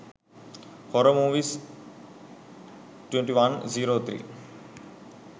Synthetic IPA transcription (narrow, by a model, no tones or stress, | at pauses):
kɔɾəmuːʋis | ʈweɳʈiʋanziːɾoːt̪ʰɾḭː